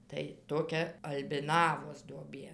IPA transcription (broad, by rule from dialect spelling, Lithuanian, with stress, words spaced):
tɐɪ toːˈkʲɛ ɐlʲbʲɪˈnɑːʋoːs duɔˈbʲeː